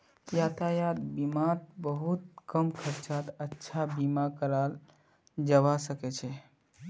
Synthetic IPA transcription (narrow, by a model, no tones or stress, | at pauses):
jat̪ajat̪̚bimat̪̚bəɦut̪̚kəmkʰəɾt͡ʃat̪ətːʃʰabimakəɾal | d͡ʒəʋasəkɛt͡ʃʰɛ